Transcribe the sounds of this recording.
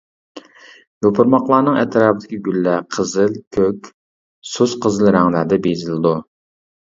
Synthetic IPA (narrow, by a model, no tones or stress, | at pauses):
jopʰʊɾmɑqlˠɑːnɨŋɛ̰t̪ʰɨɾɑːpd̪ʰɪkʲiɡʲylːɛqʰəzɨlˠkʲʰøkʲ | sosqʰəzɨlˠɾæŋlæd̪ɛbezɪlɪd̪u